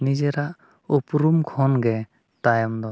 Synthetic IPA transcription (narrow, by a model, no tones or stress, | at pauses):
nid͡ʒɛɾaʔ | upɾumkʰɔnɡɛ | tajɔmd̪ɔ